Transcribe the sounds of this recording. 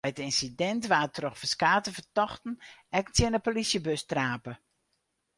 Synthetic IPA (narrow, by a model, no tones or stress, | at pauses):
ətɪnsidɛntʋaːtrɔxfəskaːtəvərtɔxtn̩ɛktjənəpolisjəbøstraːpə